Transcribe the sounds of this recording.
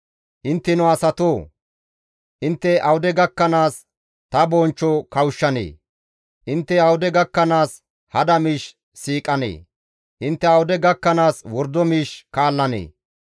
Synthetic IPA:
ʔɪnt̪ːɛnʊɐsɐt̪oː | ʔɪnt̪ːɛʔɐwʊd̪ɛɡɐkːɐnaːs | t̪ɐbɔːnt͡ʃːɔkɐwʃːɐnḛː | ʔɪnt̪ːɛɐwʊd̪ɛɡɐkːɐnaːs | hɐd̪ɐmiːʃ | siːkʼɐnḛː | ʔɪnt̪ːɛɐwʊd̪ɛɡɐkːɐnaːswɔɾd̪ɔmiːʃkaːlːɐnḛː

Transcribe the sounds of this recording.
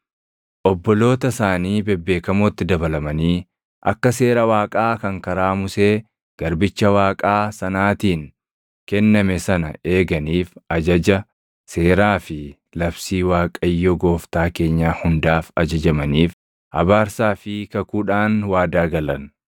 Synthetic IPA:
ʔɔbːɔlo̞ːt̪ɐsaːniːbɛbːe̞ːkɐmo̞ːt̪ːɪd̪ɐbɐlɐmɐniː | ʔɐ̰kːɐse̞ːɾɐwaːkʼaːkɐŋkɐɾaːmʊseː | ɡ̥ɐɾbɪt͡ʃːɐwaːkʼaːsɐnaːt̪iːŋ | kɛnːɐmɛsɐnɐ̰e̞ːɡɐniːfɐd͡ʒɐd͡ʒɐ | seːɾaːfɪ | lɐbsiːwaːkʼɐjːɔɡo̞ːft̪aːke̞ːɲːaːhʊnd̪aːfɐd͡ʒɐd͡ʒɐmɐniːf | hɐ̰baːɾsaːfɪkɐkuːᶑaːnwaːd̪aːɡɐlɐn

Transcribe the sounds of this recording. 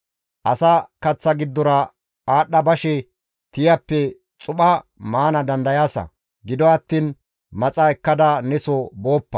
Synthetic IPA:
ʔɐsɐkɐt͡sːɐɡɪd̪ːɔɾɐ | aːɗːɐbɐʃɛ | t̪ɪjɐpːɛ | t͡sʼʊɓɐmaːnɐd̪ɐnd̪ɐjaːsɐ̰ | ɡɪd̪ɔɐt̪ːiːn | mɐt͡sʼɐɛkːɐd̪ɐnɛsɔboːpːɐ̥

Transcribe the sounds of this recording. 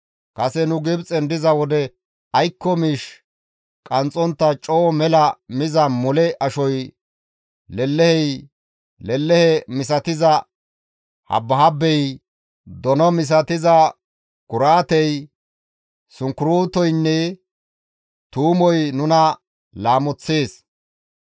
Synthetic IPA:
kɐsɛnʊɡɪbt͡sʼɛnd̪ɪzɐwɔd̪ɛ | ɐjkːɔmiːʃ | kʼɐnt͡sʼːɔnt̪ːɐt͡ʃʼɔːmɛlɐmɪzɐmɔlɛʔɐʃɔj | lɛlːɛhɛj | lɛlːɛhɛmɪs̬ɐt̪ɪzɐ | hɐ̰bːɐɦɐbːɛj | d̪ɔnɔmɪs̬ɐt̪ɪzɐ | ɡ̥ʊɾaːt̪ɛj | sʊŋkʊɾuːt̪ɔjnːɛ | t̪uːmɔjnʊnɐ | laːmɔt͡sːeːs

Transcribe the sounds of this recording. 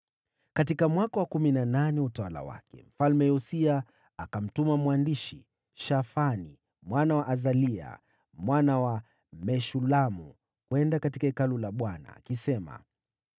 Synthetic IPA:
katikamwakawakuminananɛutawala̰wa̰kɛ̰m̩falmɛɔsiaː | kam̩tumamwandiʃi | ʃafanḭ | mwanawaʔazalia̰ | mwanawa | mɛʃulamu | kwɛndakatikaikalulaɓwana̰ːkisɛma̰

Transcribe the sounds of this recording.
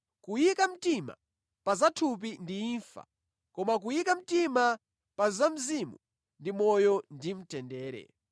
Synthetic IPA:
kujikam̩tima̰ | pazatʰup̬indiinfa̰ | kɔmak̬ujikam̩tima | pazam̩zimu | ndimɔjɔndim̩tɛndɛːɾɛ̰

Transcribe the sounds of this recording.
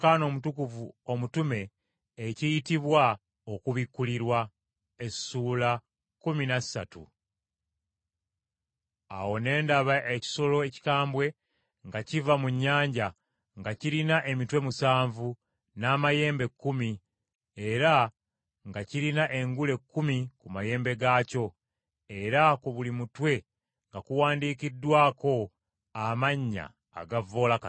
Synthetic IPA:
kano̞mutukuvuo̞mutume̞ː | cijitiβwa | o̞kuβikːuliɾwa | e̞suːla | kuminḁsa̰tṵ | a̰wo̞ne̞ːndaβaʔeci̥so̞lo̞eci̥kaːmbwe̞ | ŋɡacivamuɲːaːɲɟa | ŋɡaciɾinaʔe̞mitwe̞musaːɱvu | naːmaje̞ːmbe̞kːumi | e̞ɾa | ŋɡaciɾinaʔe̞ŋɡule̞kːumikumaje̞ːmbe̞ɡaːco̞ | e̞ɾakoβulimutwe̞ | ŋɡakuwaːndiːkidːwaːko̞ | amaɲːa̰ː | ɡavo̞ːlaka

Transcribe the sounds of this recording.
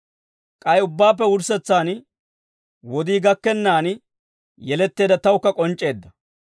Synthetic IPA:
kʼɐjʊbːaːp̬ːɛʊɾsɛt͡sːaːn | wɔd̪iːɡɐkːɛnːaːn | jɛlɛt̪ːe̞ːd̪ɐt̪ɐwʊkːɐkʼɔnt͡ʃʼːe̞ːd̪ːɐ

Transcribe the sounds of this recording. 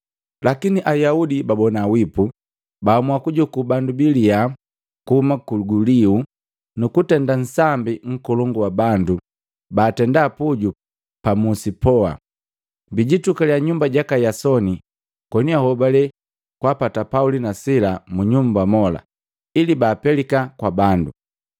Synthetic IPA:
lakiniʔajaudibabɔnawipu | baːmuakuɟukubandubilia | kuhumakuɡuliu | nukutɛndan̩sambiŋ̩kɔlɔŋɡuwabandu | baːtɛndaːpuɟu | pamusipɔa̰ | biɟitukaljaɲumbaɟakajasɔni | kɔniahɔbalɛ | kwapatapaulinasilamuɲumbamɔla̰ | ilibaːpɛlikakwabandu

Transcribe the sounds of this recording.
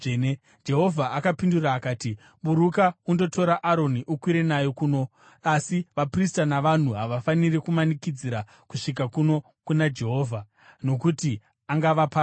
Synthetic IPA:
e | d͡ʒe̞ɦo̞vʱaʔakapinduraːkaːti | ɓuɾukaundo̞to̞ɾaʔaɾo̞niʔukwiɾe̞najokuːno̞ | asiʋapristanaʋan̤uɦaʋafanirikumanikid͡ziɾa | kuʂik̬akuno̞ | kunad͡ʒe̞ɦo̞ːvʱa | no̞kuti | aŋɡaʋapa

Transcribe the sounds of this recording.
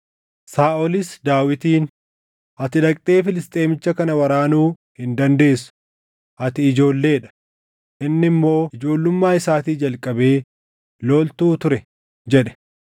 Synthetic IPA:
saːʔɔlɪsd̪aːwɪt̪iːn | ʔɐt̪ɪᶑɐkʼt̪ʼe̞ːfɪlɪst̪ʼe̞ːmɪt͡ʃːɐkɐnɐwɐɾaːnuː | hɪnd̪ɐnd̪e̞ːsʊ̥ | ʔɐt̪ɪɪd͡ʒo̞ːlːe̞ːᶑɐ̥ | ʔɪnːɪmːo̞ːɪd͡ʒo̞ːlːʊmːaːɪsaːt̪iːd͡ʒɐlkʼɐbe̞ː | loːlt̪uːt̪ʊɾɛ | d͡ʒɛᶑɛ̥

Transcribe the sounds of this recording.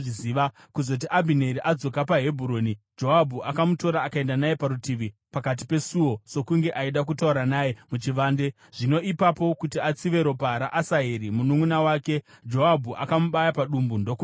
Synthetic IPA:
ʐiziːʋa | kuzo̞t̬iʔabʱineɾiʔad͡zo̞kapaɦe̞bʱuɾo̞ːnid͡ʒo̞ɦabʱuʔakamuto̞ɾaːkae̞ndanaje̞paɾutiʋipakat̬i̥pe̞suwo̞so̞kuŋɡe̞ʔaiɗakutauɾanaːjemut͡ʃiʋaːnde̞ | ʐ̥ino̞ʔipapo̞kutiat͡siʋe̞ɾo̞paɦɾaʔasaɦeɾimunumunawaːke̞ | d͡ʒo̞ɦabʱuʔakamuɓajapaɗumbundo̞ku

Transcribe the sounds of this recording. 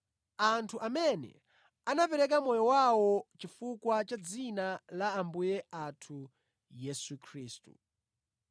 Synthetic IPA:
antʰuʔamɛnɛ̰ | anapɛɾɛk̬amɔjɔwawɔt͡ʃifukwat͡ʃad͡zinalaːmbujɛatʰu | jɛsukʰɾiːstṵ

